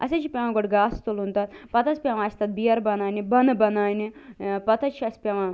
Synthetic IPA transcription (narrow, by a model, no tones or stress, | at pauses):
ɐ̰sʲet͡ʃʰipʲaʋãɡoʈɡaːst̪ulunt̪ɐt̪pɐt̪ʰɐsʲpʲjaʋãːsʲt̪ɐt̪̚bijɐɾbɐnaːnibɐnbɐnaːnipɐt̪ʰɐt͡ʃʰiɐsʲpʲaʋãː